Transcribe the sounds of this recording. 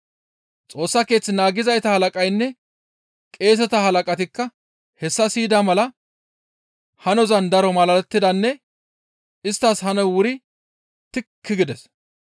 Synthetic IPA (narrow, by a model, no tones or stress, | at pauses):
t͡sʼo̞ːsːɐke̞ːt͡sːɪnaːɡɪzɐjt̪ɐhɐlɐkʼɐjnːɛ | kʼe̞ːs̬ɛt̪ɐhɐlɐkʼɐt̪ɪkːɐ | hɛsːɐsiːd̪ɐmɐlɐ | hɐnɔzɐnd̪ɐɾɔmɐlɐɾɛt̪ːɪd̪ɐnːɛ | ɪst̪ːashɐnɛwʊɾɪ | t̪ɪkʰːɪɡɪd̪ɛs